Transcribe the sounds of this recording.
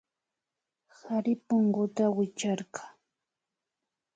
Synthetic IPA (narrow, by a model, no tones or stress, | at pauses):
haɾɪpoɴɢʊt̪awɪt͡ʃaɾɢḁː